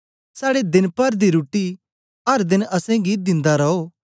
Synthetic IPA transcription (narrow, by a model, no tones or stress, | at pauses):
saːɽed̪ɪnpɐɾd̪iɾuːʈi | ɦɐɾd̪ɪnɐsɛ̃ɡiːt̪̚d̪ɪ̃nd̪aɾɐɦoː